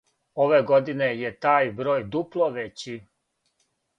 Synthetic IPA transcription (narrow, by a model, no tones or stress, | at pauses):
oʋeɡod̪ine̞jet̪aːjbɾo̞ːjd̪uplˠoʋet͡ɕi